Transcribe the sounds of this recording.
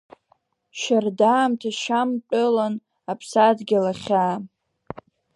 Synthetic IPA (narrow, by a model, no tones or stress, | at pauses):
ʃardaːmtʰaʃampʲʼɨlan | apʰsadɡʲɪlaχʲaː